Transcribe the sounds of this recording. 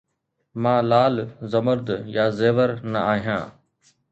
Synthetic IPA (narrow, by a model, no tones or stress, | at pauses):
mãːlaːlzəməɾd̪jaːzeːʋəɾnɐaːɦijãː